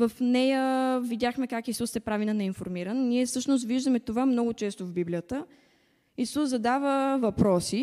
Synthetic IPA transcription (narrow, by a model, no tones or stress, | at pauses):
vəfnɛjəvid̪ʲaxmɛkakisusɛpɾavinɐnɛinfoɾmiɾənniɛfsɤʃnost̪viʒd̪əmɛt̪ovamnɔɡʊt͡ʃɛst̪ovbiblijət̪ə | isuszɐd̪avəvɐpɾɔsi